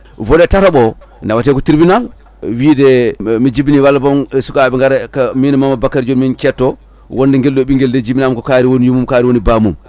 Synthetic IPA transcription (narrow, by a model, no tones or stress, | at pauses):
vɔɗɛtataɓɔ | ndawatɛkɔtiɾibinal | wiːdɛmid͡ʒibiniwalːabɔmsukaɓɛŋɡaɾɛkaminɛmamːabakːaɾid͡ʒonminkɛtːɔ | wondɛŋɡɛlɗoɓiŋɡeldɛd͡ʒibinamkɔkaːɾiwonijumumkaːɾiwonibamum